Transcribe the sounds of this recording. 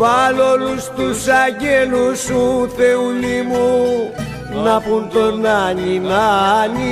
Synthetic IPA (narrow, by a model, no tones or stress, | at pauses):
βalolust̪usaɡelusũθeulimu | napunt̪onaninani